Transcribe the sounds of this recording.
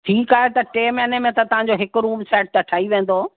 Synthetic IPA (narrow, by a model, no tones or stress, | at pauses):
ʈʰiːkaːɦet̪ɐʈeːmɛɐnəmẽt̪ɐt̪ɐʋ̤ãɲd͡ʑoɦɪkʊɾuːbɪsɛːʈ̚t̪ɐʈʰaːiʋẽːnd̪oː